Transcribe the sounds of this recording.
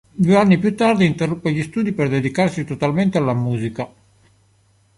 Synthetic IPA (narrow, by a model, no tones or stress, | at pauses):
d̪ueanːipjut̪ːard̪iːnt̪erːupːeʎist̪uːd̪iperd̪ed̪ikarsit̪ɔt̪alment̪ealːamuːzika